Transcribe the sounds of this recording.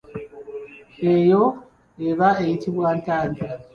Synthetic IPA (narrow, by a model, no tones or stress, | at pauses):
ejo̞ | eβaejitiβwaːntaːnɡa